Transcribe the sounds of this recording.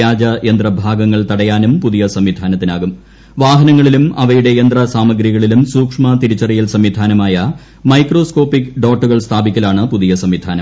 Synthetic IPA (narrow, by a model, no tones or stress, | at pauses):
aːd͡ʑɐjend̪rɐbʱaːɡɐŋːɐɭt̪ɐɽɐjaːnumpuðijɐsɐmʋid̪ʱaːnɐt̪ːinaːɣum | ʋaːɦɐnɐŋːɐɭilumɐʋɐjuɽe̞jend̪rɐsaːmɐɡɾiɣɐɭilumsuːkʂmɐt̪iɾut͡ɕːɐrijilsɐmʋid̪ʱaːnɐmaːjɐ | mɐjkro̞ːsko̞ːpikːɖo̞ːʈːuɣɐɭst̪ʰaːbikʲːɐlaːɳɨpuðijɐsɐmʋid̪ʱaːnɐm